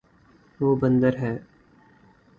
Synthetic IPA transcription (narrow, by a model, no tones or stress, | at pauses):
ʋoːbə̃nd̪əɾɦɛː